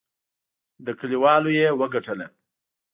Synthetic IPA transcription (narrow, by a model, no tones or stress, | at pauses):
d̪əkəliwɑlojewəɡaʈəle